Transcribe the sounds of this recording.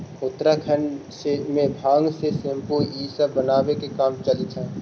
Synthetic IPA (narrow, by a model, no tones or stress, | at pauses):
ʊt̪ɾakʰənsemẽbʱaːŋɡsesɪ̃mpuiːsəbənaːʋekekaːmt͡ʃɐlt̪ʰɛ̃ː